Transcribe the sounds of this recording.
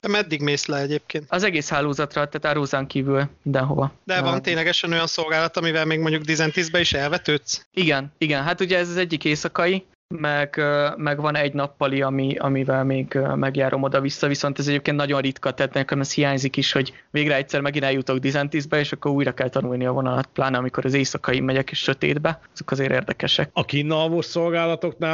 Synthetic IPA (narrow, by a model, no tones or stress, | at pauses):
d̪̥ɛmɛd̪ːiɡmeːslɛɛɟeːp̚keːnt̪ɒzɛɡeːshaːlːoːzɒt̪rɒt̪aːt̪aːɾoːzaŋkiːvylmind̪ɛnɦo̞̰vɒd̪ɛvɒnt̪eːɲlɛɡɛʃɛno̞jɒnso̞lɡaːlɒt̪ɒmivɛlmeːɡmoɲɟuɡd̪izɛnt̪izbɛiʃɛlvɛt̪øːt̪siɡɛniɡɛnɦat̪uɟɛːzɒzɛɟːikeːsɒkɒi | mɛɡ̥ømɛɡvɒnɛɟnɒpːɒliɒmiɒ̰mivɛlmeːɡømɛɡjaːɾʔo̞mo̞d̪ɒvisːɒviso̞nt̪ɛzɛɟeːp̚kennɒɟo̞nrit̪kɒt̪ɛhat̪nɛkːomɛst̪hijaːɲzikiʃho̞ɟ | veːɡɾɛɛct̪ʲsɛrmɛɡinɛljut̪o̞ɡd̪izɛnt̪izbɛeːʃɒkːo̞ɾuːjɾɒkɛlt̪ɒnulniɒvo̞nɒlɒt̪̚plaːnɒːmiko̞ɾʔɒzeːsɒkɒimɛɟɛkeːʃʃø̞t̪ḛːd̪bɛɒzo̞kɒzeːɾḛːrd̪ɛkɛʃɛk̚ɒkiːnːɒvoːso̞lɡaːlɒt̪o̞knaː